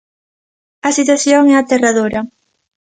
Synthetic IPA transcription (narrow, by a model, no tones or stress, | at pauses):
ɐsit̪̬waθjoŋɛat̪eraðoɾɐ